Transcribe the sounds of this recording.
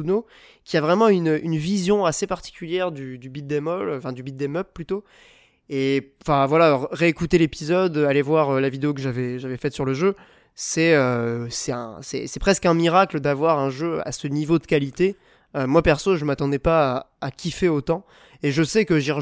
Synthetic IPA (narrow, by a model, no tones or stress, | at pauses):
uno | kʲiavʁɛmɑ̃ynøʔynvizjɔ̃asepaʁt̪i̥kʲyljɛʁd̪yd̪ybid̪̚d̪ɛmɔlfɛ̃d̪ybid̪̚d̪ɛmœp̚pːlyt̪o | eɑ̃fɛ̃vwalaʁeekut̪elepizɔd̪alevwaʁølavid̪eok̬əʒavɛʒavɛfɛt̪syʁləʒø | sɛøsɛtɛ̰̃sɛ̰sɛpχɛskɛ̃miʁakləd̪avwaʁɛ̃ʒøa̰sənivod̪əkʲalit̪e | ømwapɛʁsoʒəmat̪ɑ̃d̪ɛpaːkʲifeot̪ɑ̃ | eʒəsɛkəʒiʁ